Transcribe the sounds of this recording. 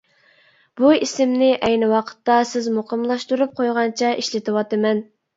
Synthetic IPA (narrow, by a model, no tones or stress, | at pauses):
b̥uisɪmnɪʔɛjnɪwɑqʰə̥t̪ːɑsɪzmoqʰəmlˠɑʃt̪uɾup̚qʰojʁɑnt͡ʃʰɛʔiʃlɪt̪ɨwɑt̪ɨmɛn